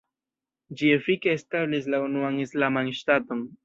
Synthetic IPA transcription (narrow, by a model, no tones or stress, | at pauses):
d͡ʒiefikeːstablis̬launuanislamanʃtato̞n